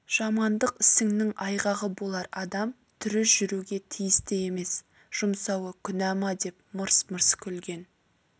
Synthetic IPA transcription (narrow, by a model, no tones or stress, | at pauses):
ʒ̥ɑmɑnd̪əqɪsɪŋnɪŋɑjʁɑʁəbo̞lˠɑɾɑd̪ɑm | t̪ʰʏɾɪsʒʏɾuɡʲe̞t̪ʰijɪst̪ɪe̞me̞s | ʒ̥ʊmsɑwəkʲʰʏnæmɑd̪e̞p̚mʊɾsməɾskʲʰɵlɡʲe̞n